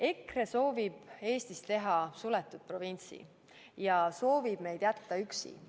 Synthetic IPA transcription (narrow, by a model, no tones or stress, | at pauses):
e̞kre̞so̞ːvib̥e̞ːst̪ist̪e̞ɦɑsulet̪ːˑud̪̥̚pro̞vinʲt̪sḭ | jɑso̞ːvib̥me̞jd̪̥jæt̪ːɑyksḭ